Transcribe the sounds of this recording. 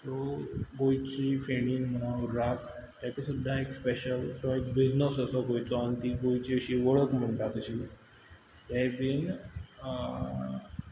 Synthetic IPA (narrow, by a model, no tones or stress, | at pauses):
t̪oɡojt͡ɕifeɽinməãuɾak | t̪jat͡ɕisud̪ʱːaekspɛɕəlʈɔekbiznəsəsɔɡojt͡sɔant̪iɡojt͡ɕiəɕiʋəɭəkm̤əɳʈat̪əɕi | t̪ɛbin